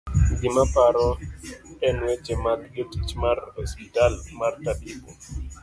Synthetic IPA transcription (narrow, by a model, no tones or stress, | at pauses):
ɡɪmapaɾɔ | ɛnwɛt͡ʃɛmat̪jotit͡ʃmarhɔspitalmartabibo